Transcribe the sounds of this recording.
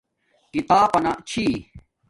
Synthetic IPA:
kit̪aːpɐnat͡ɕʰi

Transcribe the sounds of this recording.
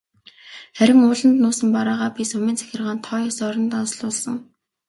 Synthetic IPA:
χæɾʲɪ̆ŋʊːɮə̆nt̪nʊːsə̆mpaɾaːʁaːpʲisʊmʲiːnt͡sʰæ̥xʲɪ̆rʁaːnt̪ʰɔjsœɾɞ̆nt̪ansɮʊːɮsə̆ŋ

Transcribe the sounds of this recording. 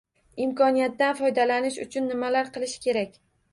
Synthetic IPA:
ɪmkɒnijat̪ːanfɒjd̪alanɪʃʊ̰t͡ʃʰʊnːɪmalaɾqʰɨlˠɪʃkʲʰe̞ɾakʲ

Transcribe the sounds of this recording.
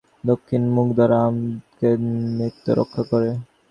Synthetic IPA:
d̪okʰːinmukd̪aɾamkemit̪ːo̰ɾo̰kʰːakoɾe

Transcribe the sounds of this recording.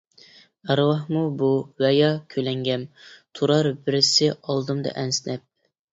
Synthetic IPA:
æɾwɑhmubuwɛjɑkʲʰølɛŋɡʲɛmt̪ʰuɾɑɾbɪɾɪsɪɑlˠd̪ɨmd̪ɑ̰ʔɛnsɪnɛp̚

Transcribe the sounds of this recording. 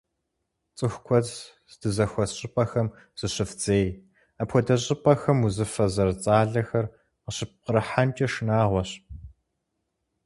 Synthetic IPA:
t͡sʼɨxʷkʷʰɔz | dɨzɐxʷɔɕʼɪpʼɐxɐm | z̥ɨɕɪfd͡zeːj | apxʷɔdɐɕʼɪpʼɐxɐmuzɨfɐzɐrt͡sʼaːɮɐxɐr | qəɕɪp̚qəɾɨħant͡ʃʼɐʃɨnaːʁʷɔɕ

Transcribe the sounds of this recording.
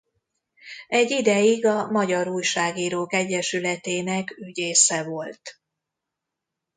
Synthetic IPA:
ɛɟid̪ɛjiɡɒmɒɟɒɾuːjʃaːɡiːɾoːkɛɟːɛʃylɛt̪eːnɛkyɟeːsɛvo̞lt̪

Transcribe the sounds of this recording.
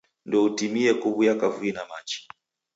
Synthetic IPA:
ndɔutimiɛkuβujakavuinamat͡ʃi̥

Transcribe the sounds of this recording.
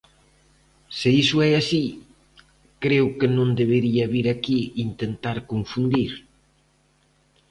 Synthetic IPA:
seisʊɛasi | kɾewkɪnõnd̪eβeɾiɐβiɾakiint̪ent̪aɾkoɱfund̪iɾ

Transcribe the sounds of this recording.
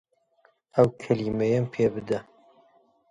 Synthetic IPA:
ɐwkʰɐliːmejɛmpʰeːbɨd̪ɐ

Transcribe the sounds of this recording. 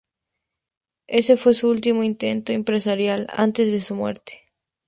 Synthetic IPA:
esefwesuult̪̬imoint̪ẽnt̪oempɾesaɾjala̰nt̪ezðesumwḛɾt̪e̥

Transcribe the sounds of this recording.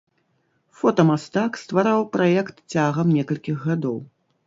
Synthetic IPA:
fɔt̪ɐmast̪akst̪vaɾawpɾajɛkt̪t͡sʲaɣɐmnʲɛkɐlʲkʲiɣːad̪ɔw

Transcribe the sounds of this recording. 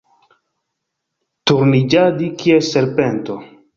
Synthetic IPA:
tuɾnid͡ʒadikʰieseɾpento

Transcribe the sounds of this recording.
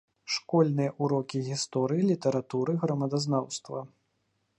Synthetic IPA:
ʂkɔlʲnɨjɐʔuɾɔkʲiɣʲist̪ɔɾɨjilʲit̪ɐɾat̪uɾɨɣɾɐmɐd̪aznawst̪vɐ

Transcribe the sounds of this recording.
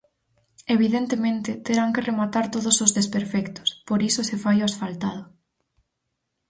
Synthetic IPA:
eβiðent̪emẽnt̪ɪt̪eɾaŋkeremat̪aɾt̪oðosozðespeɾfɛkt̪ʊ̥spoɾisʊsefajoasfalt̪að̞ʊ

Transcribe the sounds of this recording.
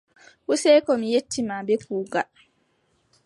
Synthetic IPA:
ʔusɛːkɔmijetːimabɛkuːɡa

